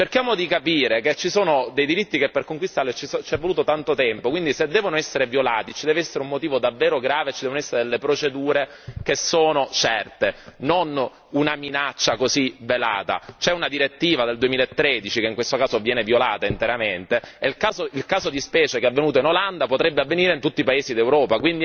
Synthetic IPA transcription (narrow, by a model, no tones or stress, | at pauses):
t͡ʃerkjaːmod̪ikapiːɾeket͡ʃːisoːnod̪ejd̪iɾit̪ːikepːerkoŋkwist̪aːlet͡ʃist͡ʃɛvːoluːt̪ot̪ant̪ot̪ɛmpokwind̪ised̪ːɛːvonoɛsːeɾevjolaːt̪it͡ʃid̪ɛːveɛsːeɾeummot̪iːvod̪avːeːɾoɡɾaːvet͡ʃid̪ɛːvonoɛsːeɾed̪elːepɾot͡ʃed̪uːɾe | kesːoːnot͡ʃɛrt̪enon | unaminat͡ʃːakozivːela̰ːt̪a̰t͡ʃɛunad̪iɾet̪ːiːvad̪eld̪uemiːlaet̪ːɾed̪it͡ʃikeiŋkwest̪okaːsovjɛːnevjola̰ːt̪aint̪eɾament̪eelkaːzoilkaːzod̪ispɛːt͡ʃekeavːenuːt̪oinoland̪apot̪ɾɛbːeavːeniːɾeint̪ut̪ːipaeːsid̪ewɾɔːpakwind̪i